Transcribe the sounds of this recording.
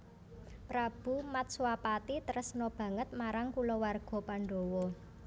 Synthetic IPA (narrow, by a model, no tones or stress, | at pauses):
pɾab̥ṳmat̪̚swapat̪it̪əɾəsnɔb̥ä̤ŋət̪̚maɾaŋkulɔwarɡ̥ɔ̤paɳɖo̤wɔ